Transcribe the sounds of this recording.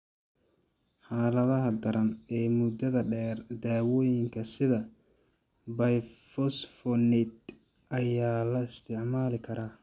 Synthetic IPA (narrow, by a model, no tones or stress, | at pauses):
ħaːlɐðɐɦɐd̪ɐɾɐnɛːmʊd̪ɐðɐɖɛːrd̪aːwɔːjɪŋkʰɐsɪðɐ | bɐjfɔsfɔnɪt̪̚ | ʔɐjaːlɐɪst̪ʰɪʕmaːlɪkʰɐɾaː